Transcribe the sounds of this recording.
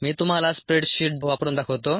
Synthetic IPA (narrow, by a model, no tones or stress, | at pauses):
miːt̪um̤alaspɾeʈɕiːʈ̚ʋapɾuːnd̪akʰoʋt̪o